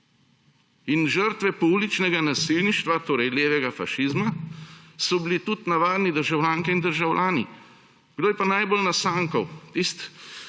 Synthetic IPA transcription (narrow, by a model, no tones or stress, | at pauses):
inʒəɾt̪ʋɛpublit͡ʃnɛɡanasilniʃt̪ʋat̪oːɾɛjleːʋɛɡafa̰ʃizma | sɔbilit̪ut̪naʋaːd̪nid̪əɾʒawlʲaːŋkiind̪əɾʒawlʲʔaːnḭ | ɡ̥d̪oːjɛpanajbolnasaːŋkɔwt̪ist̪